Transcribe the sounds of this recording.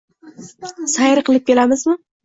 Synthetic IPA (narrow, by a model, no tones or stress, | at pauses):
sajɾɨqʰɨlˠɪp̚kʲʰe̞lamɪzmɪ